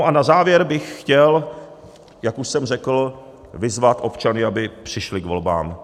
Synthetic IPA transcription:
ʔanazaːvjɛɾbɪxːcɛl | jakuʃsɛmrɛkl̩ | vɪzvat̪ʔo̞pt͡ʃanɪabɪpr̝̥ɪʃlɪɡvo̞lba̰ːm

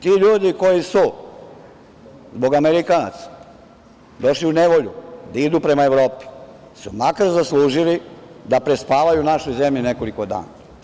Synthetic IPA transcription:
t̪iːʎuːd̪iko̞jisu | zbo̞ɡameɾikanat̪sḁ | d̪o̞ʃliune̞ʋo̞ʎud̪aid̪upɾe̞maeʋɾo̞ːpi̥ | sumakaɾzaslˠuːʒilid̪apɾe̞spaːʋajunaʃojze̞mʎineko̞liko̞d̪a̰ːna

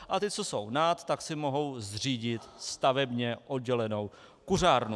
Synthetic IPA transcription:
ʔat̪ɪt͡so̞so̞̰wnat̪ːaksɪmo̞ɦo̞wzr̝iːɟɪt̪st̪avɛbɲɛʔo̞d̚ɟɛlɛno̞w | kur̝aːɾnu

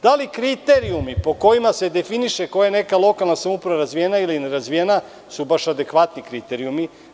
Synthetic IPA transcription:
d̪̥alikɾit̪eɾiumipo̞ko̞jimase̞d̪e̞finiʃe̞ko̞jane̞kalˠo̞kalˠnasamopɾʋaɾazʋijenailineɾazʋijena | subaʃad̪e̞kʋat̪nikɾit̪eɾiumi

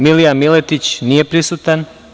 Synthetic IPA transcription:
miliamilɛt̪it͡ʃnijepɾisut̪an

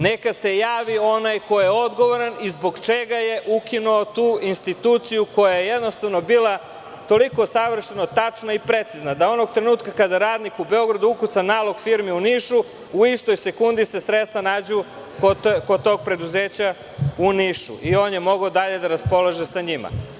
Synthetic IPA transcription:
ne̞kase̞jaːʋio̞najko̞jjeod̪ɡo̞ʋo̞ɾanizbo̞ɡt͡ʃeɡaje̞ʔukinuot̪uːinst̪it̪uːt̪sijuko̞jajejed̪no̞st̪aʋno̞biːla | t̪o̞liko̞saʋr̩ʃenot̪at͡ʂnaipɾe̞t̪siznad̪ao̞noɡ̚t̪ɾe̞nuːt̪kakad̪aɾaːd̪nikube̞o̞ɡɾad̪uukut̪sanaːlo̞ɡfiɾmiuniʃu | uist̪o̞jse̞kund̪ise̞sɾet̪st̪ʋanaːd͡ʑu | kokot̪o̞ɡ̚pɾe̞d̪uze̞ːt͡ɕa | uniʃṵʔio̞ːnje̞mo̞ɡaod̪aʎe̞d̪aɾaspo̞lˠaʒesaɲima̰

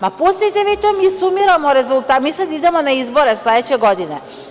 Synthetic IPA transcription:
maposet̪eʋet̪omisumiɾamoɾezulˠt̪amiːsad̪id̪emonaizboɾeslˠed̪et͡ɕeɡod̪ine

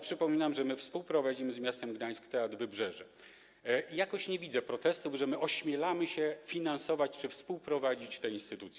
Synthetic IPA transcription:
pʂɘpɔmʲinamʐɛmɘfspuwpɾɔvad͡ʑimɘzmʲjast̪ɛmɡd̪aj̃skʲt̪ɛad̪vɘbʐɛʐɛ | ijakɔɕɲevʲid̪zɛpɾɔt̪ɛst̪uvʐɛmɘʔɔɕmʲjɛlamɘɕɛfʲinansɔvat͡ɕt͡ʂɘfspuwpɾɔvad͡ʑit͡ɕt̪ɛinst̪ɘt̪ut̪sjɛ

